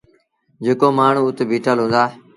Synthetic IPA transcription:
d͡ʒekoːmaːɳ̤ũːʊt̪ːbʱiːʈʰəlɦʊ̃ːnd̪aː

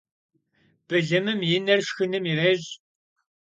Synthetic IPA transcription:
b̥ɨɮɐmɨmjɪnɐrʂxɨnɨmirɐʑ

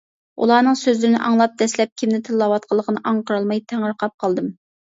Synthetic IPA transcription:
ṵlˠɑːnɨŋsøzlɪɾɪnɪ̰ʔɑŋlˠɑp̚d̪̥ɛslɛp̚kʲʰimnɪt̪ʰɨlˠːɑwɑt̪̚qʰəlˠːəqʰənɨʔɑɴqəɾɑlˠmɑjt̪ʰæŋəɾqʰɑp̚qʰɑlˠd̪ɨm

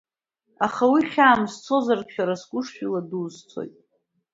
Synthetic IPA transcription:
aχawiχʲaːmzt͡sʰo̞zarpχʲᶣaɾasɡʷʊʂʃᶣiladuːzt͡sʰo̰jtʼ

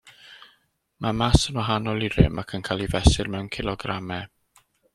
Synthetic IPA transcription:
mamasənwaɦanɔlˠiɾɪ̰makʰənkʰaːlˠivɛsɪrmɛwnkʰɪlˠɔɡramɛ

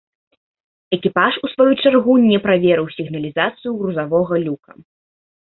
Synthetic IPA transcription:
ɛkʲipaʂusvajut͡ʂarɣunʲɛpɾavʲɛɾɨwsʲiɣnɐlʲizat̪sɨjuɣɾuzavɔɣɐlʲukɐ̰

